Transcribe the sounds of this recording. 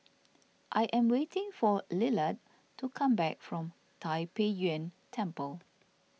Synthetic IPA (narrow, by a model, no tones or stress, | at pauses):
ʔajʔɛ̃mwetɪ̃ŋfɔlɪlət | tːukʰãmbɛk̚fɹɔ̃m | tʰajpejiə̃ntʰɛ̃mpəl